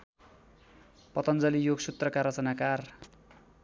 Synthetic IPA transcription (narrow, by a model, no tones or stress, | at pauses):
pʌt̪ʌnd͡zʌlijoɡsut̪rʌkaɾʌt͡sʌnakar